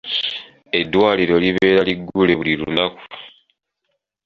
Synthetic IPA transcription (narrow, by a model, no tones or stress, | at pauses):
e̞dːwaːliɾo̞liβe̞ːɾaliɡːule̞βuliɾunaku̥